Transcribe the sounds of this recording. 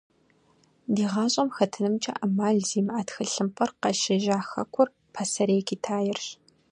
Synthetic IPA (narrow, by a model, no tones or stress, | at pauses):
diːʁɑːɕʼɐmxɐtʰɨnɨmt͡ʃʼɐ̰ʔɐmaːɮziːmʔaːtxɨɬɨmpʰʼɐrqɐʃɐʒaːxɐ̰kʷʰʊr | pʰɐsɐɾeːkʰiːtʰaːjɪrɕ